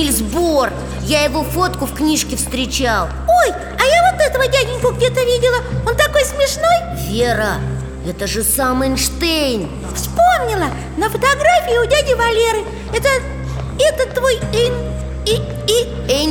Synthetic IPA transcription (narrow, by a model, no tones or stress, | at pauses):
ɪlʲzbor | jajɪvo̞fo̞t̪kʊfknʲiʂkʲɪfst̪ɾʲɪt͡ɕalˠoj | ɐjavo̞t̪ɛt̪əvədʲædʲɪnʲkʊɡdʲe̞t̪əvʲidʲɪlˠəont̪ɐko̞jsmʲɪʂno̞j | vʲeɾə | ɛt̪əʐɨsamɨnʂt̪ejn | fspomnʲɪlˠə | nəfət̪aɡɾafʲɪɪʊdʲædʲɪvɐlʲeɾɨ | ɛt̪ə | ɛt̪ət̪ːvojɛnʲ | ɛnʲ